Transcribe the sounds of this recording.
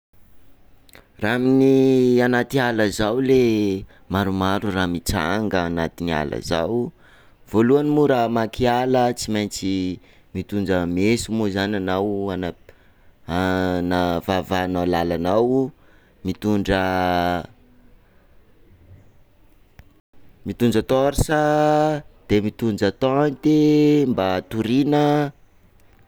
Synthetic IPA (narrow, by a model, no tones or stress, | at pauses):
raminianat̪ialəzawle | maɾumaɾuramit͡sa̰ŋɡəːnat̪inia̰lə̰za̰w | v̥oluanimuɾamakialət͡simajnt͡si | mit̪und͡ʒəmesumuzananawana | anavavanalalanaw | mit̪uɳɖ͡ʐə | mit̪und͡ʒət̪oɾisə | d̪̥emit̪und͡ʒət̪ant̪embat̪uɾinə